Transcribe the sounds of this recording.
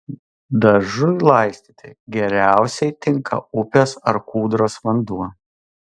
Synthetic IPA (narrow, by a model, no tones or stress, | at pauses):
d̪ɐʒʊlˠɐɪsʲt̪ʲiːt̪ʲɪɡʲɛɾʲæˑʊsʲɛɪt̪ʲɪŋkʰɐ̰ʊpʲoːsɐɾkuːd̪ɾoːsʋɐnd̪uɔ